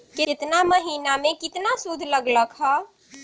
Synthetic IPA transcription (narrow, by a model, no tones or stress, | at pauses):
kɪɪt̪naməɦinamekit̪nasud̪ʱləɡləkɦɔ